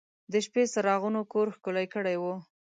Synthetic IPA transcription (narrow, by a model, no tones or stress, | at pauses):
d̪əʃpesaɾɑɣunokoɾxkolajkəɽajwu